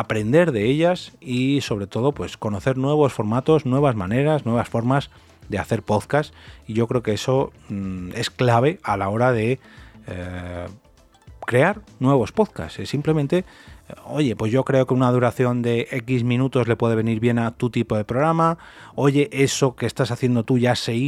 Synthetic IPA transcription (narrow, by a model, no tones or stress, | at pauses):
apɾe̞nd̪e̞ɾðeeʎasiso̞β̞ɾe̞t̪o̞ð̞o̞pwe̞sko̞no̞θe̞ɾnwe̞β̞o̞sfo̞ɾmat̪o̞znwe̞β̞azmãne̞ɾaznwe̞β̞asfo̞ɾmaz | ðeaθe̞ɾpo̞ðkasiʝo̞kɾe̞oke̞eso̞ | e̞sklaβ̞e̞alao̞ɾaðe̞ | kɾe̞aɾnwe̞β̞o̞spo̞ðka̰sesimple̞mẽnt̪e̞o̞ʝe̞pwe̞zʝo̞kɾe̞o̞ke̞unað̞uɾaθjo̞nd̪e̞ʔe̞kizmĩnut̪o̞zle̞pwe̞ðe̞βe̞niɾβje̞nat̪ut̪ipo̞ðe̞pɾoɾama | o̞ʝe̞ʔe̞so̞ke̞ːst̪asaθje̞nd̪o̞t̪uʝasei